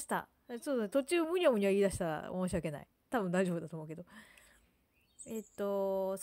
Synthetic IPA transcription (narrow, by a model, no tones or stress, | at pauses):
i̥t̪a̰ | soːdsnet̪ot͡ɕɨːmɯ̟ɲʲiomɯ̟ɲ̟iβaiːd̪aɕi̥t̪aɾa̰o̰moːɕ̬iβake̞na̰ḭ | t̪abɯ̃nd̪aiʑobd̪at̪oːmoɯke̞d̪o | et̪ːo̞s